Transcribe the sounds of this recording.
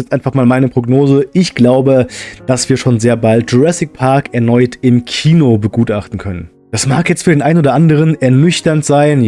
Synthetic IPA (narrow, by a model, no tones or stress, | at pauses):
jɛt͡stʔaɪnfaχmaːlmaɪnəpʁ̥oɡnoːzəɪçɡ̥laʊbəd̥asv̥iːɐʃoːnzeːɐbalt̚dʁɛsɪk̚pʰaɐkɛɐnɔʏtʰɪmkʰiːnobəɡuːtʔaχtn̩kʰœnən | d̥asmaːkjɛt͡stfyɐeːnʔaɪnoːdɐʔandəʁ̞ənɛɐnʏçtɐntz̥aɪn